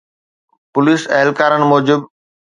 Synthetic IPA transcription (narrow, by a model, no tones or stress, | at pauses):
pʊliːsɐɦɪlkaːɾənɪ̆mɔːd͡ʑɪb